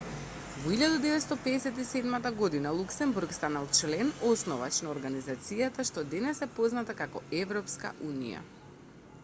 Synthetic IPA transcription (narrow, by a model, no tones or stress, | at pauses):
vɔiʎad̪ad̪ɛvɛt̪st̪ɔpɛːsɛt̪isɛd̪mat̪aɡod̪inalˠuksɛmbuɾkst̪analˠt͡ʃlɛnɔsnɔva̰t͡ʃnaɔɾɡanizat̪sijat̪aʃt̪ɔd̪ɛnɛsɛpoznat̪akakɔɛvɾɔpska̰ʔunḭja̰